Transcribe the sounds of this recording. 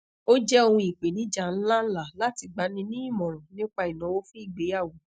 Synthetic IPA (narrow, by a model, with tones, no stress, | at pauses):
o˦d͡ʒɛ˦o˧hũ˧i˨k͡pe˨nĩ˨˦d͡ʒa˦˨n̩˦la˦n̩˦la˦˨la˦ti˧ɡ͡ba˨˦nĩ˧nĩ˦i˦˨mɔ̃˨ɾũ˨nĩ˦k͡pa˧i˨nã˨˦wo˦fi˦˨ɡ͡be˨˦a˦˨wo˨